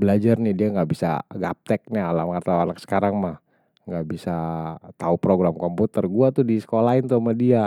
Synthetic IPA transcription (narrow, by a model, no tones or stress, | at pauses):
bəlad͡ʒarnɪdiaŋɡaʔbisa̰ɡap̚t̪ɛk̚ɲaːlamkart̪awalaksə̥kaɾaŋmah | ŋɡaʔbisat̪aupɾoɡɾamkɔmput̪ɛrɡuat̪udisə̥kolaɪnt̪uamadia